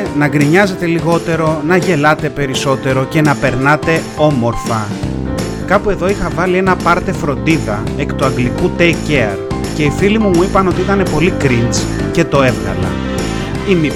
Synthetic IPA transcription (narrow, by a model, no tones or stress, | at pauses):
nɐɡɾiɲɐze̞t̪e̞liɣo̞t̪e̞ɾo̞nɐʝe̞lɐt̪e̞pe̞ɾiso̞t̪e̞ɾo̞ce̞nɐpe̞ɾnɐt̪e̞ | o̞mo̞ɾfɐ | kɐpue̞ðo̞ixɐvɐlie̞nɐpɐɾt̪e̞fɾo̞nd̪iðɐ | ekt̪uɐŋɡlikut̪eceɐɾ | ce̞ifilimumuipɐno̞t̪iit̪ɐne̞po̞likɾint͡s | ce̞t̪o̞e̞vɣɐ̰lɐ̰ | imi